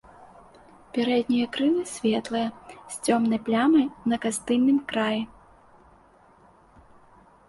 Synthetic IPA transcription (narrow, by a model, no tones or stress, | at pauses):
pʲɛɾɛd̪ʲnʲijɐkɾɨlˠɨsʲvʲɛt̪lˠɨjɐsʲt͡sʲɔmnɐjplʲamɐjnɐkast̪ɨnːɨmkɾajɛ